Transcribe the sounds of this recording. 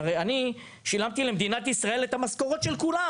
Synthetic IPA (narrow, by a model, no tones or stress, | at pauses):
ʁejani | ʃilamt̪ilemd̪inat̪isʁae̞let̪hamasko̞ʁo̞t̪ʃe̞lkula